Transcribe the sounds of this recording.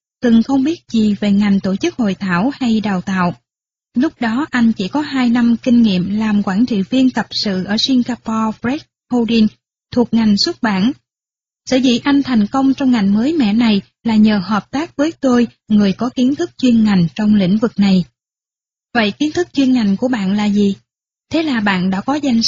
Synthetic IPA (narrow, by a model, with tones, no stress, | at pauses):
t̪ɨ˨˩ŋxə˧wŋ͡mɓi˦˥ət̚zi˨˩ve˨˩ŋa˨˩jŋ̟t̪o˧˩t͡ɕɨ˦˥k̚ho̰˧˨jt̪ʰaː˧˩wha˧jɗaː˨˩wt̪a̰ː˧˨w | lʊ˦˥k͡p̚ɗɔ˨˦ʔa˧jŋ̟t͡ɕḭ˧˩kɔ˨˦ɦaː˧jna˧mkï˧ŋ̟ŋḭ˧˨əmlaː˨˩mkwaː˧˩nt͡ɕḭ˧˨vi˧ənt̪ə˨˩p̚sɨ̰˧˨ʔəː˧˩si˧ŋɣaː˧pɔ˧fɾɛ˦˥k̚ho˧ɗi˧n | t̪ʰu˨˩ək̚ŋa˨˩jŋ̟swə˦˥t̚ɓaː˧˩n | sə̰˧˩zḭ˧˩ʔa˧jŋ̟t̪ʰa˨˩jŋ̟kə˧wŋ͡mt͡ɕɔ˧wŋ͡mŋa˨˩jŋ̟məː˨˦jmɛ̰˧˨na˨˩j | laː˨˩ɲəː˨˩həː˨˩p̚t̪aː˦˥k̚kwi˨˦t̪o˧j | ŋɨ˨˩əjkɔ˨˦ki˨˦ənt̪ʰɨ˦˥k̚t͡ɕwi˧ənŋa˨˩jŋ̟t͡ɕɔ˧wŋ͡mlḭ˧˥ŋ̟vɨ˨˩k̚na˨˩j | və̰˧˨jki˨˦ənt̪ʰɨ˦˥k̚t͡ɕwi˧ənŋa˨˩jŋ̟ku˧˩əɓa̰ː˧˨nlaː˨˩zi˨˩ | t̪ʰe˨˦laː˨˩ɓa̰ː˧˨nɗa̰ː˧˥kɔ˨˦za˧jŋ̟